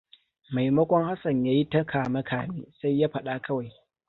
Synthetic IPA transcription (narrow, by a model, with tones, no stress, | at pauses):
ma˨jmɐ˦kʷɔ˦ŋha˦sɐ˨ɲjaː˦ji˦tɐ˦kʰaː˨mɐ˦kʰaː˨meː˦sa˦jːaː˦ɸɐ˨ɗa˦kɐ˦wa˨j